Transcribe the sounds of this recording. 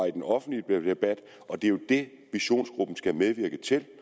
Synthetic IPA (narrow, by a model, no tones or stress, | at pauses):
id̥enɒ̽fn̩d̥li̥eb̥æd̥ | ɒ̽d̥e̝jo̝d̥e̝ | ʋiɕo̝̰ːnsɡ̥ʁub̥n̩sɡ̥æmeð̞ˠʋiɐɡ̥ət͡sʰe̝l